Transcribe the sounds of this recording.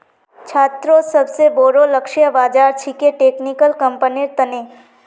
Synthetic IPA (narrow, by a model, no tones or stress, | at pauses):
t͡ʃʰaːt̪ɾosəbseboːɾoləkʃjəbaːd͡ʒaːɾt͡ʃʰikeʈeːknikəlkə̃mpəniɾt̪əne